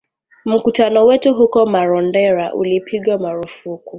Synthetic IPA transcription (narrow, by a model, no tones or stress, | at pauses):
m̩kutanɔwɛtuɦukɔmaɾɔn̩dɛɾaʔṵlipʰiɡamaɾufuku